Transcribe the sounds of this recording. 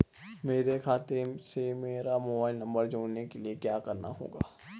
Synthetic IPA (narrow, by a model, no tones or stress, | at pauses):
meːɾekʰaːt̪esemeːɾamoːbaːɪlnɐ̃mbəɾd͡ʒoːɽnekeliekjaːkɐɾna̰ɦo̰ːɡa̰ː